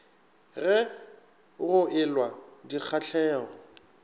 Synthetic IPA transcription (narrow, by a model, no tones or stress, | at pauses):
ɣɛ | ɣʊʔɪlwadik͡xʰat͡ɬʰɛːɣɔ